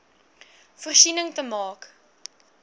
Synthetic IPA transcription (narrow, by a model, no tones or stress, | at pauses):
fərsinəŋtəmɑːk